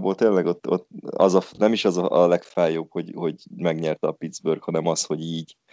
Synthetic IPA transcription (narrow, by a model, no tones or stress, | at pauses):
boːlt̪eːnlɛɡo̞t̪ːo̞̰t̪ːɒ̰zɒnɛmiʃɒzɒʔɒlɛkfaːjoːbho̞ɟho̞ɟmɛɡɲɛrt̪ɛɒpid̪zbørɡhɒnɛmɒsho̞ɟiːɟ